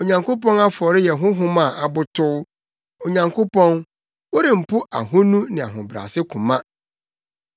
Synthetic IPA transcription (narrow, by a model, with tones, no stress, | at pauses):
o˨ɲã˨ŋko˦pɔ̃˦na˦fɔ˨ɾɪ˦jɛ˨ɦʊ̃˦ɦʊ̃˦mã˨ʔa˨bʊ˦tʰʊ˦ | o˨ɲã˨ŋkʰo˦pʰɔ̃˦n | wo˦ɾɪ̃˨m̩˨pʰʊ˦ʔa̰˨ɦʊ̃˦nũ˦nɪ̃˨a̰˨ɦʊ̃˨bɾa̰˨sɪ˦kʰʊ̃˨mã˦